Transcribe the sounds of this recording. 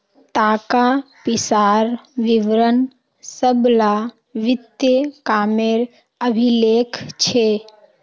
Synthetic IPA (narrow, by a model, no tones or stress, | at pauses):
t̪aːkapisaɾʋiʋɾən | səbla | ʋɪt̪jəkaːmeɾ | əbʱilekt͡ʃʰe